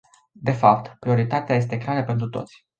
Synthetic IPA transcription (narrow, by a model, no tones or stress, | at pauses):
d̪e̞fap̚t̪pɾio̞ɾit̪at̪eaje̞st̪ekɾeaɾəpe̞nt̪ɾut̪o̞̰t̪sʲ